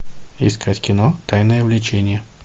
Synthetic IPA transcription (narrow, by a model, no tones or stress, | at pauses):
ɪ̰skʰatʲkʲɪnot̪ajnəjəvlʲɪt͡ɕenʲɪjə